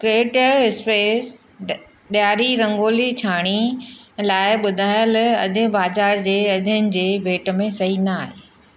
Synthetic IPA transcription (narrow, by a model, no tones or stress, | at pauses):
kɾeːʈəɪspeːs | ɗjaːɾiɾɐ̃ŋɡoːlit͡ɕʰaːɽ̃ilaːɪɓʊd̪ʱaːjəlɐ̰d̪ʱɪbaːzaːɾd͡ʑeːɐd̪ʱənɪ̆d͡ʑeːbʱeːʈə̆mẽsɐɦinaːɦeː